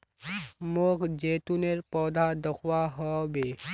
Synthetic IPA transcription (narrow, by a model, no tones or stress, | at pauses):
mokd͡ʒet̪uneɾpɔd̪ʱad̪ɔkʰwaɦɔbe